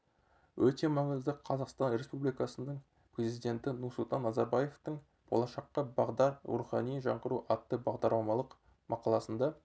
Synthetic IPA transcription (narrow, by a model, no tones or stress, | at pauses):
wɵt̪e̞mɑɴəzd̪əqʰɑzɑqst̪ɑnɾe̞spublijkɑsənəɴ | prʲe̞zijd̪ʲe̞nt̪ɪnʊɾsʊlˠt̪ɑnːɑzɑɾbaje̞ft̪əɴ | b̥olˠɑʃɑqːɑbɑʁd̪ɑɾṵχɑnijʒɑɴqəɾuʔɑt̪ːəbɑʁd̪ɑɾlˠɑmɑlˠəq | mʔɑqɑlˠɑsənd̪ɑ